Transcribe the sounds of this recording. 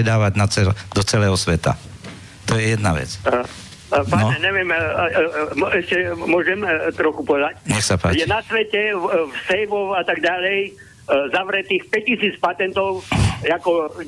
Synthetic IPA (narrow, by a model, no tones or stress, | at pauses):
ɛd̪aːʋaɟnat͡sɛd̪̥ɔt͡sɛlɛːɦɔsʋɛt̪a̰ | t̪ɔjɛjɛd̪naʋɛ̰t͡s | paɲɛɲɛʋɪɛm | mɛʃcɛmʊɔʒɛmt̪ɾɔxupɔʋɛd̪acɲɛxsapa̰ːjɛnasʋɛcɛfsɛjʋɔwat̪aɡɟalɛj | zaʋɾɛt̪iːxpɛisiːt͡spat̪ɛnt̪ɔʊakɔ